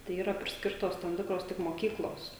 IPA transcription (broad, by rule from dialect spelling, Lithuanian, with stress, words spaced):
tɐɪ ˈiːrɐ pʲrʲɪsʲˈkʲɪrtoːs tɐm ˈtʲɪkroːs tʲɪk moːˈkʲiːklˠoːs